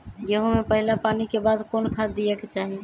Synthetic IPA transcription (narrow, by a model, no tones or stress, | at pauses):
jeɦũmepəɦilapanikebad̪konkʰad̪ijɛket͡ʃaɦi